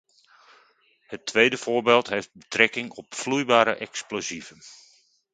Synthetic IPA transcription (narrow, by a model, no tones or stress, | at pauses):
hətʰːʋejdəfʊːbeːlˠtɦejft̚bətrɛkɪŋɔpflujbaːɾəʔɛksplozivən